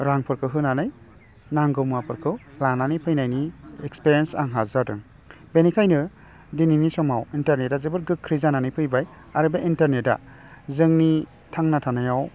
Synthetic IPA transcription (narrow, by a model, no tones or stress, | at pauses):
ɾaŋpʰɯɾkʰɯɦɯnanɯj | naŋɡɯmapʰɯɾkʰɯlananipʰɯjnajniekspiɾijensaŋɦazadɯ̰ŋ | benikʰajnɯ | dininisɔmawintaɾnet̚dazɯbɯɾɡɯkʰːɾizananɯjpʰɯjbaj | aɾɯbeʔintaɾnet̚da̰ | zɯŋni | tʰaŋnatʰanajaw